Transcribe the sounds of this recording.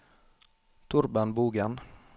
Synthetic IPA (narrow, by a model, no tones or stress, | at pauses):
t̪ʰʊɾbənbuːɡɛn